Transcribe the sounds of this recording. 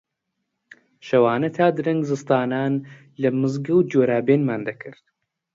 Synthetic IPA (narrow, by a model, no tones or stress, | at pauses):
ʃɐwaːnɐt̪ʰaːd̪ɨɾɐŋɡzɨst̪aːnaːn | lɐmɨzɡɐwd͡ʒoːɾaːbeːnmaːnd̪ɐkʰɨɾt̪̚